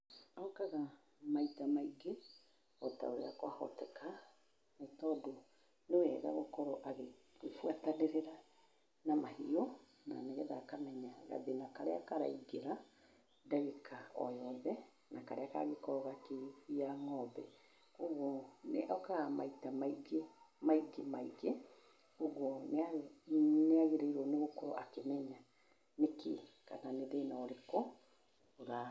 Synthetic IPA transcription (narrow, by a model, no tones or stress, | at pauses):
aokaɣa | maitamaiɡe | ɔta̰oɾḛakwahɔ̰tɛka | maitɔdo | newɛɣa̰ɣɔkɔɾɔʔaɣe | fwataneɾeɾa | namahiɔ | na̰neɣɛðaːkamɛɲaɣa̰ðenakaɾea̰kaɾa̰iɡeɾa | daɣekʰaɔ̰jɔðɛ | nakaɾeaka̰ɣekɔɾɔɣakeijaŋɔbɛ | oɣɔnḛʔɔkaɣama̰itamaiɡe | maiɡemaiɣe | oɣwɔn | neaɣeɾeiɾɔneɣokɔɾɔ̰ʔakemɛɲa | nekeka̰naneðeːnaɔɾekɔ | oɾa